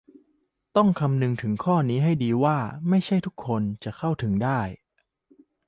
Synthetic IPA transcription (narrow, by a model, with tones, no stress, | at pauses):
t̪ɔ˥˩ŋkʰa˧mnɯ˧ŋt̪ʰɯ˩˦ŋkʰɔː˥˩niː˦˥ɦa˥˩jdiː˧waː˥˩ma˥˩jt͡ɕʰa˥˩jt̪ʰu˦˥kʰːo˧nt͡ɕa˨˩kʰa˥˩wt̪ʰɯ˩˦ŋdaː˥˩j